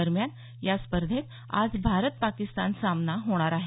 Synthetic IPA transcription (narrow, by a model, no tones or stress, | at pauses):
əɾmjan | jaspəɾd̪ʱet̪ | a̰d͡zbʱaɾət̪̚pakist̪ansamnaɦoɽ̃aɾaɦe